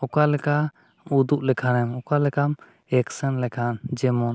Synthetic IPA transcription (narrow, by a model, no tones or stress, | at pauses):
ɔkalɛka | ud̪uʔlɛkʰanɛmɔkalɛkam | ɛksɛnlɛkʰand͡ʒɛmɔn